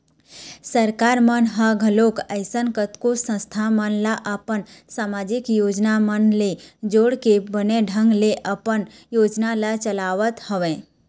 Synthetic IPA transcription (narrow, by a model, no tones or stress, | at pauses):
səɾkaɾmənɦəɡʱəlokəɪsənkət̪kosə̃st̪ʰamənlaʔəpənsamad͡ʒikjod͡ʒnamənled͡ʒoɽkebəneɖʱəŋɡleʔəpən | joːd͡ʒnalat͡ʃəlaʋət̪həʋẽ